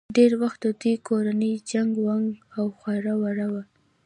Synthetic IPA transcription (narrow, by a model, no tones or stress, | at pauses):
ɖeɾwaxt̪̚d̪əd̪ekoɾanəjd͡ʒaŋɡwaŋɡawxwaɾawaɾawa